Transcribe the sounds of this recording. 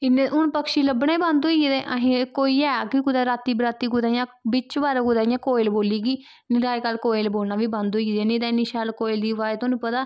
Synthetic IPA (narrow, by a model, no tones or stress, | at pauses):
ɪnːeʔʊnpəkʃiːləbnãːiːbãnd̪oːid̪eʔəɦĩkoːiːɛːkɪkʊd̪aːɾaːt̪iːbɾaːt̪iːɡʊd̪aːjãːbɪt͡ʃʋaːɾakʊd̪aːɪjãːkoːɪlboːliːɡiː | nɪɾaːkaːlkoːɪlboːlnaːʋiːbãnd̪oːid̪ãːnĩd̪aɪnːiʃaːlkoːɪld̪iːʋaːt̪oːnũːpət̪aː